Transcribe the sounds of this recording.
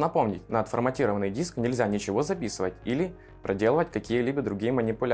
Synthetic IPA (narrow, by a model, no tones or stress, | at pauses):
nɐpo̞mnʲɪ̰tʲnəːt̪fə̰rmɐtʲiɾəvənːɨjdʲisknʲɪlʲzʲanʲɪt͡ɕɪvo̞zɐpʲisɨvətʲilʲɪ | pɾʔɐdʲe̞lˠəvətʲkɐkʲijəlʲibəd̪ɾʊɡʲijəmənʲɪpʊlʲ